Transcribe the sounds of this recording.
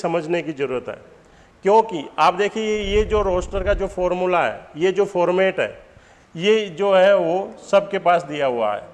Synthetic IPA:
sɐməd͡ʒʱnekizɐɾuːɾət̪ɦɛ̰ː | kjõːkiaːp̚d̪eːkʰijejed͡ʒoːɾoːsʈəɾkad͡ʒoːfʰɔːɾmulaɦɛ̰ːjed͡ʒoːfʰɔːɾmɛːʈɦɛ̰ː | jed͡ʒoːɦɛʋosɐb̚kepaːsd̪ijaɦua̰ɦɛ̰ː

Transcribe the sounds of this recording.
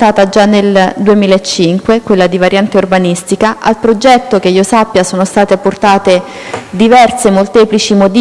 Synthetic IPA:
t̪aːt̪ad͡ʒanːeld̪uemiːlaet͡ʃːiŋkwekwelːad̪ivaɾʔjant̪eurbanist̪ikaʔalpɾod͡ʒɛt̪ːok̟eiːosapːjasoːnost̪aːt̪epːort̪aːt̪e | d̪ivɛrsemolt̪ɛːplit͡ʃimod̪

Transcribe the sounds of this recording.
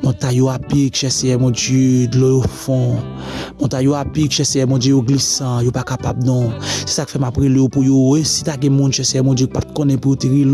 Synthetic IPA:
mɔ̃tajoapikʒɛseɛmwɔ̃d͡ʒid̪lɔjofɔ̃ | mɔ̃t̪ajoapikʒɛseɛmwɔ̃d͡ʒijoɡlisãjopakapabnɔ̃sɛ̥saki̥fɛmapɣeleopujowesit̪aɡɛ̃mũnʒɛseɛmwɔ̃d͡ʒikpat̪̚kɔ̃nɛ̃pujoteɣil

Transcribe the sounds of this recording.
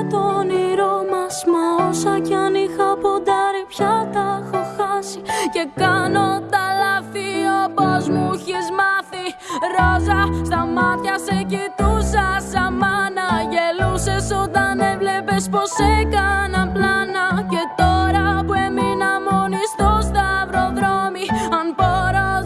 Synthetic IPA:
t̪oniɾomɐsmɐosɐcɐnixɐpod̪ɐɾipçɐt̪ɐxoxɐsice̞kɐno̞t̪ɐlɐθiopɐzmuçizmɐθi | ɾozɐst̪ɐmɐt̪çɐsecit̪usɐsɐmɐnɐʝelusesot̪ɐnevlepespo̞sekɐnɐplɐnɐce̞t̪oɾɐpueminɐmonist̪ost̪ɐvɾo̞ðɾomiɐnboɾo

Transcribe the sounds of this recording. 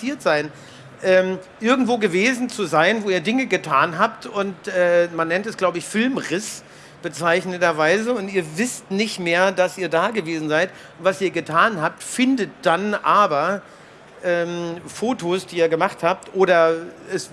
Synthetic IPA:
iːɐtz̥aɪn | ʔɛːmʔɪɐɡŋ̩tv̥oːɡəveːzn̩t͡suzaɪnvoːiːɐdɪŋəɡətʰaːnɦaːp̚tʊntʔɛːmanːɛntɛsɡ̥laʊbəɪçfɪlmʁɪs | b̥ət͡saɪçnədɐvaɪzəʊntiːɐvɪstnɪçtmeːɐdasʔiːɐdaːɡəveːzn̩zaɪt | ʊntv̥asiːɐɡətʰaːnɦaːp̚tfɪndət̚d̥anʔaːbɐ | ʔɛːmfoːtʰoːsd̥iːiːɐɡəmaχthaːp̚tʔoːɾɐɛs

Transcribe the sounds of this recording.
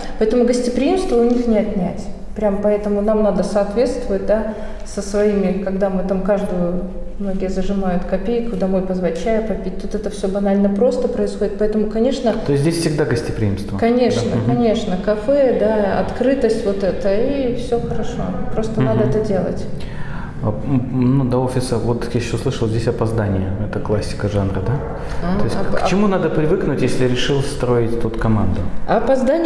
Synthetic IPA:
pɐɛt̪əmʊɡəsʲtʲɪpɾʲɪimst̪vəʊnʲixnʲɪɐt̪nʲætʲ | pɾʲampɐɛt̪əmʊnamnad̪əsɐːt̪vʲe̞t̪st̪vʊɪt̚ʲd̪a | səsvɐimʲɪkɐɡd̪amɨt̪amkaʐd̪əjʊ | mno̞ɡʲɪjəzəʐɨmajʊt̪kɐpʲejkʊd̪ɐmo̞jpəzvɐt͡ɕːæjəpɐpʲit̚ʲt̪ut̪ɛt̪əfsʲobɐnalʲnəpɾo̞st̪əpɾəɪsxo̞dʲɪt̪pɐɛt̪əmʊkɐnʲe̞ʂnət̪oɪsʲdʲesʲfʲsʲɪɡ̚d̪aɡəsʲtʲɪpɾʲɪ̰ḭmst̪vəkɐnʲe̞ʂnəkɐnʲe̞ʂnəkɐfɛd̪aɐ̰t̪kɾɨt̪əsʲtʲvo̞t̪ɛt̪əifsʲoxəɾɐʂo̞̰pɾo̞st̪ənad̪əɛt̪ədʲe̞lˠə̰tʲ | nud̪ɐo̞fʲɪsəvot̪jaɕːoslˠɨʂəlˠzʲdʲesʲɐpɐzd̪anʲɪjəɛt̪əklˠasʲːɪ̥kəʐanɾəd̪a | t̪ojsʲkt͡ɕɪmunad̪əpɾʲɪvɨknʊtʲjesʲlʲɪɾʲɪʂɨlˠst̪ɾo̞ɪtʲt̪ut̪kɐmand̪ʊɐːpɐzd̪anʲɪ

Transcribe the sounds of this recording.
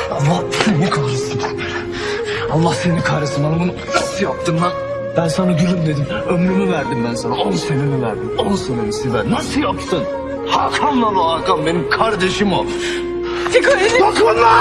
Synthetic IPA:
ɑlˠːahsnikʰaɾɯsɯn | ɑlˠːahsenikʰaɾɯsɯnanabununasɯjap̚t̪ɯmna | b̥ænsanaɟyɾymd̪e̞d̪imømɾymyvæɾd̪imbænsanaonˠusenimivæɾd̪imosonemisivæɾnasɯjopsun | hakʰamlˠalˠaaːkambe̞nimkʰaɾd̪eʃimo | t̪ikaioklˠana

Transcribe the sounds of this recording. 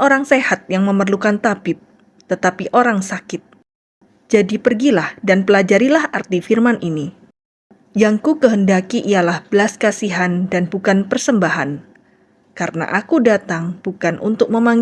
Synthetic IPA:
oɾaŋsehat̪̚jaŋməmərlukant̪abɪp̚ | t̪ət̪apiʔoɾaŋsakɪt̪̚ | d͡ʒadipərɡilahdanpəlad͡ʒaɾilahart̪ifirmanʔini | jaŋkukəɦəndakiʔijalahbəlaskasiɦandanbukanpərsəmbaɦan | kaɾəna̰ʔakudat̪aŋb̥ukanʔṵnt̪ʊk̚məmaŋ

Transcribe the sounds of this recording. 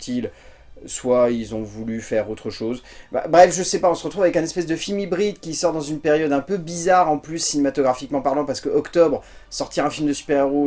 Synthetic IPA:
t̪ʰil | swailzɔ̃vulyfɛʁot̪χəʃozba̰bʁɛfʒəsɛpaɔ̃səʁət̪χuvavɛkɛ̃nɛspɛsd̪əfilmibʁid̪kʲisɔʁd̪ɑ̃zynpeʁjɔd̪ɛ̃pøbizaʁɑ̃plysːinemat̪ɔɡʁafikmɑ̃paʁlɑ̃paʁsə̥kəʔɔkt̪ɔbʁ | sɔʁt̪iʁɛ̃filmd̪əsy̥pɛʁeʁu

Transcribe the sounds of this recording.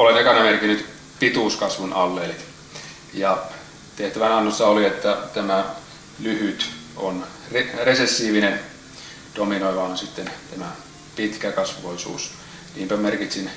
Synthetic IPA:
olenekɑnːɑmerkinyt̪ | pit̪uːskɑsʋunɑlːeli | jɑ | t̪eht̪æʋænɑnːosːɑoliet̪ːæt̪æmæ | lyhyt̪on | reresesːiːʋinen | d̥ominoiʋɑonsit̪ːent̪æmæ | pit̪kækɑsʋoisṵːs | niːmpæmerkit̪sin

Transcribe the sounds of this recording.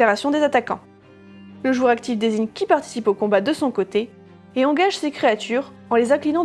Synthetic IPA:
aʁasjɔ̃d̪ezat̪akɑ̰̃ | ləʒuʁakt̪ifd̪eziɲkʲipaʁt̪i̥sipokɔ̃bad̪əsɔ̃kot̪e | eɑ̃ɡaʒsekχeat̪yːʁ | ɑ̃lezɛ̃klinɑ̃

